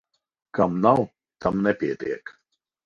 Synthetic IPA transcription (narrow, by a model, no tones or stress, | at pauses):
kamnaw | t̪ʰamnɛpʲiɛt̪ḭɛk